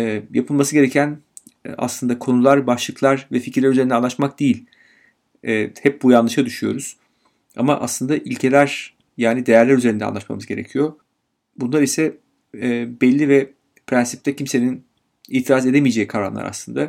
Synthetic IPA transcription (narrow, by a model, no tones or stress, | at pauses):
ɛːjapʰɯlˠmasɯɟe̞ɾecʰæn̰ | a̰slˠɯnd̪akʰo̞nulˠaɾbaʃlˠɯklˠaɾvɛficʰɾlʲæɾyze̞ɾind̪anˠat̪mak̚d̪ejilʲ | ɛːhɛp̚bujanlˠɯʃad̪yʃyjo̞̰ɾuz̥ | a̰ma̰ʔa̰slˠɯnd̪aʔilʲcʰe̞lʲæɾ̥ | jaːnid̪e̞jæɾlʲæɾyzeɾind̪ɛa̰nˠat̪ma̰mɯzɟe̞ɾe̞̰cʰijo̞ | bunlˠaɾisɛː | bɛlʲːivɛ | pʰɾænsi̥p̚t̪ʰɛcʰimse̞nin | iːt̪ʰiɾaːze̞d̪emijed͡ʒejikʰaɾa̰nˠa̰ɾa̰slˠɯnd̪a